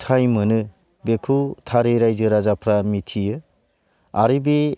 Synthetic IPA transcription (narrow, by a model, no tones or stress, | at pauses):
tʰajmɯnɯ | bekʰutʰaɾeɾajzɯɾazapʰɾamitʰijɯ | a̰ɾibe